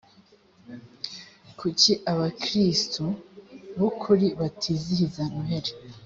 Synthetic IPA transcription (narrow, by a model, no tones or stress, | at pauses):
kʰuciʔaβakɾistuβokʰuɾiβatʰiziɾizanuɦeɾe